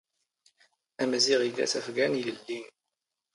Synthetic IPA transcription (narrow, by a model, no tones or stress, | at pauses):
æmæziʁidæ̰θæfɡæniləlːin